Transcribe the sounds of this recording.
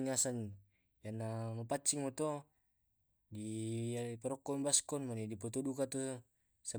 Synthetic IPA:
ŋasan | janːamapat͡ʃiŋmɔt̪ɔ | diapaɾɔkːɔmbaskɔnmanidipɔt̪ɔdukat̪ɔ | sa

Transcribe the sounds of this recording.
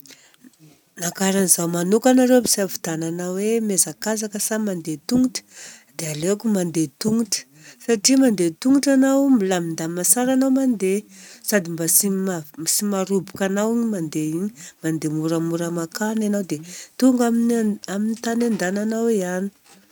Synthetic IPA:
nakaɾanizawmanukanaɾewbiz̥aavid̪̥ananawemezakazakəsamand̪et̪uŋuʈ͡ʂə̥d̪̥ealekumand̪et̪uŋuʈ͡ʂə̥ | saʈ͡ʂimand̪et̪uŋuʈ͡ʂanawmilamind̪amasaɾanawmand̪esad̪imbasimasimaɾubukanawiɲimand̪eiɲimand̪emuɾəmuɾəmakananawd̪et̪uŋɡaminaminit̪anand̪ananaweani̥

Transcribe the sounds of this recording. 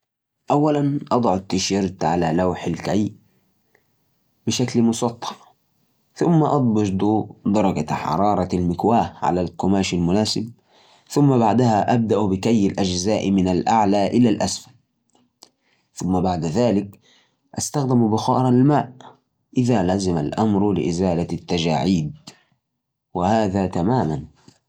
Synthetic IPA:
ʔawːalanʔɑd̪ˤʕʊt̪ːɪʃɪɾt̪ʕalalawħalkaj | b̥ɪʃaklmʊsˤɑt̪ˤʰːɑ̥ | θʊmːaʔɑd̪ˤbɑʃd̪ud̪ɑɾˤɑɡa̰ħɑ̰ɾˤɑːɾˤɑlmɪkwaːhʕa̰lalkʊmaːʃalmʊnaːsɪb̚ | θʊmːabaʕd̪ahaʔab̚d̪aʔbɪkajːɪlʔad͡ʒzaːʔmɪnalʔaʕlaːʔɪlalʔasfal | θʊmːabaʕd̪aðaːlɪk | ʔast̪axd̪ɪmbʊxɑːɾˤɑlmaːʔ | ʔɪðaːlazɪma̰lʔamɾlɪ̰ʔɪzaːlat̪ːad͡ʒa̰ːʕiːd̪̚ | wɪhaːðaːt̪amaːman

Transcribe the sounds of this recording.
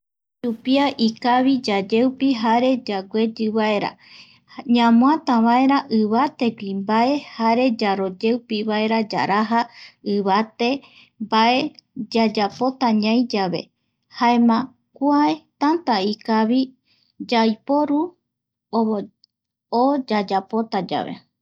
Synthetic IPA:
t͡ʃupiaʔikaβid͡ʒad͡ʒewpiɦaɾe̞d͡ʒaɡʷe̞d͡ʒɨβae̞ɾa̰ | ɲãmw̃ãt̪aβae̞ɾaʔɨβat̪e̞ɡʷimbae̞haɾe̞d͡ʒaɾo̞d͡ʒewpiβae̞ɾad͡ʒa̰ɾaɦaɨβat̪e̞ | mbaʔe̞d͡ʒad͡ʒapo̞t̪aɲãj̃d͡ʒaβe̞̰ | haemã | kuaet̪ant̪aikaβi | d͡ʒajpo̞ɾu | o | od͡ʒad͡ʒapo̞t̪ad͡ʒa̰βe̞̰

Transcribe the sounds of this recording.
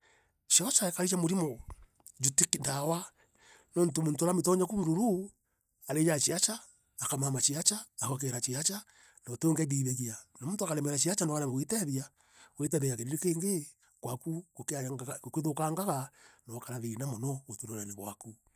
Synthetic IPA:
ʃiɔt͡ʃaekaɾit͡ʃamoɾimɔ | d͡ʒutikindawa | nɔntomuntoaɾamet̬ɔɲakuβuɾuɾu | aɾejat͡ʃiat͡ʃaː | kamamat͡ʃiat͡ʃaːhoak̬eɾat͡ʃiat͡ʃa | nɔtoːŋɡɛdiðeɣianamuntoakaɾɛmɛɾat͡ʃiat͡ʃanoaɾaŋɡawitɛðia | wetɛðejakeɾiɾikeːŋɡe | kwakukokokeðokaŋɡaɣanaakaɾaɾinamɔnɔotuɾoɾaneβwa̰ku

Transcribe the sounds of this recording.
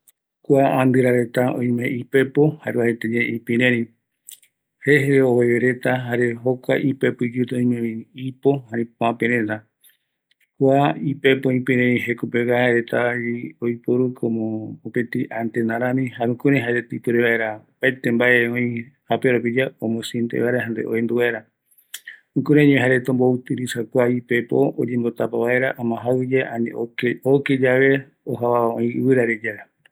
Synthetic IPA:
kʷaand̪ɨɾaɾe̞t̪aõ̰j̃mẽʔipe̞pohaɾeahet̪ed͡ʒeʔĩpĩɾẽɾĩ | heɦɾeoweeɾe̞t̪aɦaɾe̞ɦokʷa̰ʔipe̞pɨd͡ʒut̪eõj̃mẽĩipo̞hãɾĩpoãpẽɾẽna | kʷaipe̞põĩpĩɾẽɾĩɦekopeɡaeɾet̪aiojpoɾukʰomõopẽt̪ĩʔant̪enaɾãmĩɦaɾũkuɾeɦaɾet̪ipuɾeβae̞ɾapaet̪embaʔeõĩhapeɾopid͡ʒaõmõsint̪ḛʔaeɾeɦand̪eʔo̰ẽnd̪uβaeɾa | ũkuɾẽɲẽɦaɾet̪õmbout̪ɨɾisakʷaipe̞po̰od͡ʒẽmbo̞t̪apaβae̞ɾaʔamãɦaβɨd͡ʒeʔanḛooked͡ʒaβe̞ | oɦaβaõĩɨβɨɾaɾed͡ʒaɾa

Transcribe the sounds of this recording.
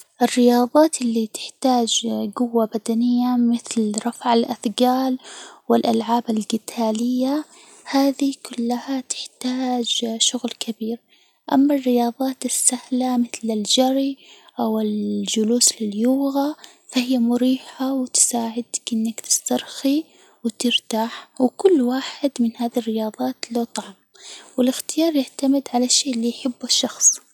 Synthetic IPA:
ʔɪrːɪjɑːðˤɑːt̪ɪlːit̪ɪ̥ħt̪aːd͡ʒɡʊwːabad̪anɪjːamɪθlɾˤɑfʕalʔaθɡaːlwɪlʔalʕaːbalɡɪt̪ʰaːlɪjːa | haːðikʰʊlːahat̪ɪ̥ħt̪aːd͡ʒʃʊɣlkabiːɾ | ʔamːarːɪjɑːðˤɑːt̪ɪsːahlamɪθlɪld͡ʒɑɾˤiʔawɪld͡ʒʊluːslɪljuːɣa | fahɪjːamʊɾiːħawɪt̪ɪ̥saːʕɪd̪akʔɪnːakt̪ɪ̥st̪ɑɾˤxi | wt̪ɪɾt̪aːħwɪkʊlːwaːħɪd̪mɪnhaːðirːɪjɑːðˤɑːt̪loːt̪ˤɑʕm | wɪlɪxt̪ɪjɑːɾˤjaʕt̪amɪd̪ʕalaʃeːʔlːiːjħɪbːaʃːɑxsˤ

